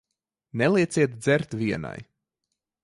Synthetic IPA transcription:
nɛlˠiɛt̪siɛt̪d̪zɛɾt̪viɛna̰j

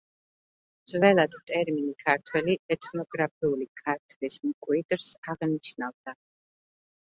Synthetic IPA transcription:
mzvɛlˠad̪t̪ʼɛɾminikʰaɾt̪ʰwɛliɛt̪ʰnɔɡɾap̚ʰiulikʰaɾt̪ʰlismkʼwid̪̥ɾsaʁniʃnavd̪a

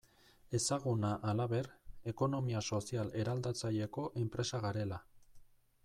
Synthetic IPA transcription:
e̞saɣunaʔalaβe̞ɾe̞ko̞no̞miaso̞siale̞ɾald̪at͡saje̞ko̞ʔe̞mpɾe̞saɣaɾe̞la

